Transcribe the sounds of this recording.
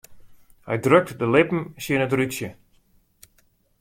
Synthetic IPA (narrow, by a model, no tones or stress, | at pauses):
hɛ̰jdrøk̚dəlɪpm̩sənətrytsjə